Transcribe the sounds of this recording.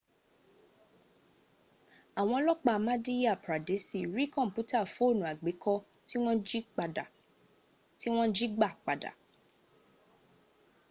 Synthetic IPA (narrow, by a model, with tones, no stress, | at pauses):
a˨w̃ɔ̃˧˦lɔ˦k͡pa˧mã˦di˦ja˦˨pɾa˨de˨˦si˦˨ɾi˦kɔ̃˦˨m̩˨pu˨˦ta˦˨fõ˨˦o˦˨nũ˨a˨ɡ͡be˨˦kʰɔ˦ | ti˦w̃ɔ̃˦d͡ʒi˦k͡pda˨ | ti˦w̃ɔ̃˦d͡ʒi˦ɡ͡ba˦˨k͡pa˨da̰˨